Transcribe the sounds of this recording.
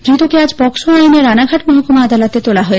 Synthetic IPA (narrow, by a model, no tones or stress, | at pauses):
d̪ɾit̪okead͡ʑpɔksoajneɾːanaɡʱaʈmɔɦokomad̪alot̪et̪olaɦoe